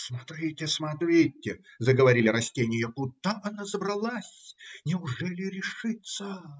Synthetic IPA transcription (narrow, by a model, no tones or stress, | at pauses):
smɐt̪ɾʲitʲɪsmɐt̪ɾʲitʲːɪzəɡəvɐɾʲilʲɪɾɐsʲtʲenʲɪjəkʊd̪aʔɐnazəbrɐlˠasʲnʲɪʊʐɛlʲɪɾʲɪʂɨt̪sə